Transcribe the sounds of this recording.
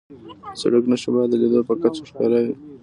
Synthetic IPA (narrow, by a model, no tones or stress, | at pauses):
sa̰ɽəknaʃibɑd̪əled̪opəkat͡ʃoʂkɑɾawi